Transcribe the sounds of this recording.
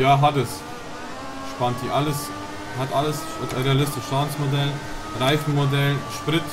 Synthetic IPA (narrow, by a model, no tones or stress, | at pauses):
jaːɦatəs | ʃpantiʔaləs | hatʔaləs | ʁealɪstɪʃsaːnsmodɛl | ʁaɪfn̩modɛlʃpʁɪt